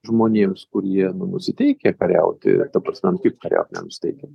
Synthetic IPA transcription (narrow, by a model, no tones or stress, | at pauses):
ʒmoːnʲeːmskʊɾjiɛnʊnʊsʲɪt̪ʲɛɪkʲɛkɐɾʲɛ̰ʊt̪ʲɪ̰d̪ɐpɾɐsʲmʲɛnkʲɪpkɐɾʲɛ̰ʊt̪ʲnʲɛ̰nʊsʲɪ̥t̪ʲɛɪkʲɛ